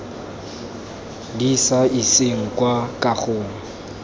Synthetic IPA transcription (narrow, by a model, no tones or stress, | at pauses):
disaiseŋ̩kwakʼaχʊːŋ̩